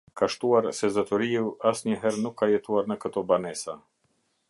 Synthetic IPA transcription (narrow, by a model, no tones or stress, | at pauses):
kaʃt̪uaɾsɛzɔt̪ɔɾiuʔasɲəɦɛɾnukʰːajɛt̪uaɾnəkət̪ɔbanɛsa